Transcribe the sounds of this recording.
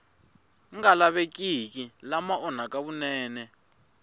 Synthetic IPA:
ŋɡalaβek̬ʼik̬ʼilamaɔnak̬ʼaβunɛːnɛ

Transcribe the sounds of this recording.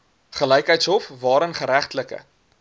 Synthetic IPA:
χələjkɦəjtsɦɔfvɑːɾənχəɾæχtləkə̰

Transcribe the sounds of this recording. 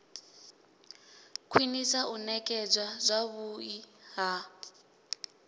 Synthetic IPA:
kʰwinisaʔunɛkʼɛd͡zʷwazʷaβuiɦa

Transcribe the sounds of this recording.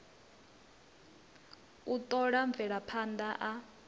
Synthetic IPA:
utʼɔɺaɱb̪vɛɺapʰandaʔa

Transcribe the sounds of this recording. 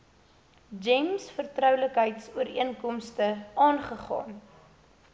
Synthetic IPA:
d͡ʒɛmsfərtrœwləkɦəjtsuəɾiənkɔmstəɑːnχəχɑ̰ːn

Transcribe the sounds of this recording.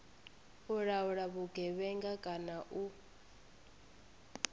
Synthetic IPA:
uɺauɺaβuɡʱɛβɛŋɡakʼanaʔu

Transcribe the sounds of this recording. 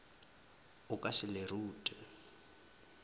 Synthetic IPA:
ʊkʼasɪleruːtʼɛ

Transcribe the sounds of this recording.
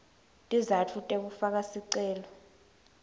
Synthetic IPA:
tʼizatʰutʼek̬ufak̬asiǀɛːlɔ

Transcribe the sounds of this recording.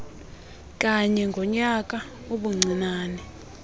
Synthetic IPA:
k̬ʼaɲɛŋɡʱɔɲak̬ʼa | oɓuŋ͡ǀʱinaːnɛ

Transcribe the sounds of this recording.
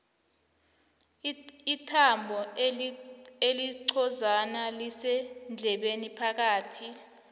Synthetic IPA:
itʰambʱɔ | eliǀʰɔzanalisɛnd͡ɮʱɛɓenipʰak̬aːtʰi

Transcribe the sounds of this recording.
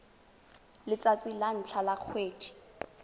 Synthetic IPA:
lɪt͡sat͡sʼilan̩t͡ɬʰalak͡xʰweːdʰi̥

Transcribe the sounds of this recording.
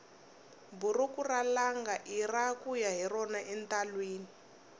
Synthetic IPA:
burukuralaŋɡaʔirakujaɦirɔnaʔɛntalweːni

